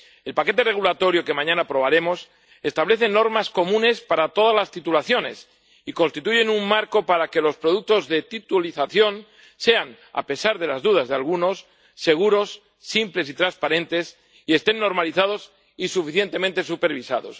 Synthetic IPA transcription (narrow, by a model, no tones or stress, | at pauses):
e̞lpake̞t̪e̞re̞ɣ̞ulat̪o̞ɾjoke̞mãɲãnapɾo̞β̞aɾe̞mo̞s | e̞st̪aβle̞θe̞no̞ɾmasko̞mũne̞spaɾat̪o̞ð̞azlast̪it̪ulaθjo̞ne̞̰s | iko̞nst̪it̪uʝe̞nummːaɾko̞paɾake̞lo̞spɾo̞ðuk̚t̪o̞zðe̞t̪it̪uliθaθjo̞n | se̞an | a̰pe̞saɾð̞e̞lazðuð̞azðealɣ̞uno̞sː | e̞ɣ̞uɾo̞sː | imple̞sit̪ɾanspaɾẽ̞nt̪e̞s | ie̞st̪e̞nːo̞ɾmaliθaðo̞s | isufiθje̞nt̪emẽnt̪e̞supe̞ɾβisa̰ðo̞̰s